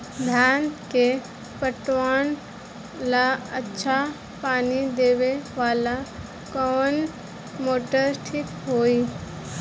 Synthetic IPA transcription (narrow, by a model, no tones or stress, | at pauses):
d̪ʱjaːnke | pəʈwaːn | laətːʃʰa | paːnid̪eːʋeʋaːla | kɔːn | moːʈəɾʈʰiːkɦoːiː